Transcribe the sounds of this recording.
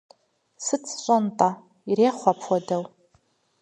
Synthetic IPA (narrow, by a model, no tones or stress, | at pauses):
sɨt͡sʰɕʷʼantʼa | iɾeχʷapʰwadaw